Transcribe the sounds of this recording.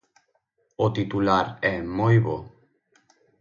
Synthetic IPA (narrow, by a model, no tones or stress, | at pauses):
ot̪it̪ulaɾɛmojβo